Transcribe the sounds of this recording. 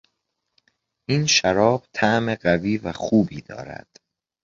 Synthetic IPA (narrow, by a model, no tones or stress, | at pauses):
ʔiːnʃæɾɒːb̥t̪ʰæʔmeɢæviːvæxuːbiːd̪̥ɒ̰ːɾæ̰d̪̥